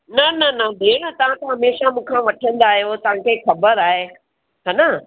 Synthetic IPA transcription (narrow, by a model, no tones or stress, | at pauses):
nɐnɐnɐd̪ʱeːɽ̃ət̪ɐʋ̤ãt̪ɐɦɐmeːʃamũːkʰãʋɐʈʰə̃nd̪aːɦijot̪ɐʋ̤ãkʰexɐbəɾaːɦe | ɦaːna